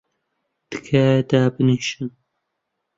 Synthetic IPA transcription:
d̪̥ɨ̥kʰɐd̪aːbɨniʃɨn

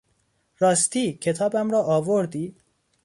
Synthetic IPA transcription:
ɾɒːst̪iːcʰet̪ʰɒːbæmɾɒːʔɒːvoɾd̪iː

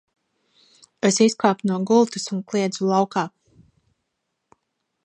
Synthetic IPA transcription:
esiskaːpunuɔɡulˠt̪usunklˠiɛd̪zulˠawkaː

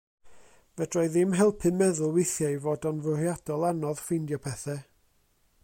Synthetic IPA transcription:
vɛdrɔɨðɪmɦɛlˠpʰɨnmɛðʊlˠwɪθjajvoːdɔnvʊrjad̥ɔlˠanɔð̥fɪndjɔpʰɛθɛ

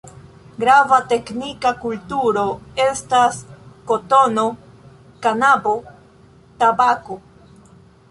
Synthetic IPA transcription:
ɡɾavate̞knikakultuɾo̞e̞stasko̞to̞no̞ | kanabo | tabako̞

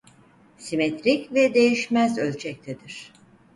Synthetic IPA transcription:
simet̪ɾicvɛd̪e̞jiʃmæzølʲt͡ʃʰɛc̚t̪ʰed̪iɾ̥

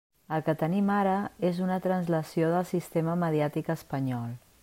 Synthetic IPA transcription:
əlˠkət̪ənimaɾəezunət̪ɾənzləsioðəlˠsist̪eməməðiat̪ikəspəɲɔlˠ

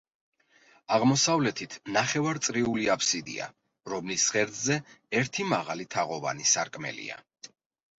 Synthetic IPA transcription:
aʁmɔsavlɛt̪ʰit̪ʰnaχɛvaɾt̪sʼɾiuliapʰsid̪ḭa̰ | ɾɔmlisʁɛɾd̪zɛɛɾt̪ʰimaʁalit̪ʰaʁɔva̰nisaɾkʼmɛ̰lḭa̰

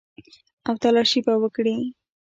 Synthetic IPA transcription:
awt̪alɑʃibawəkɽi

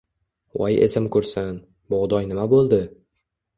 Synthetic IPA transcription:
wɒjḛsɪmkʰɵɾsɪn | boʁd̪ɒjnɪmabolˠd̪ɪ

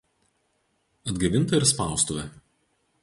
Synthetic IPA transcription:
ɐd̪ɡɐʋʲɪnt̪ɐɪɾspɑˑʊst̪ʊʋʲɛ

